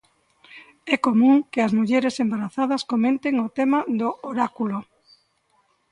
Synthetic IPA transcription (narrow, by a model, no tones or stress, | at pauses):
ɛkomũŋkɪɐzmuʎeɾɪsembaɾaθaðɐskomẽnt̪eŋʊt̪emaðʊʔoɾakulo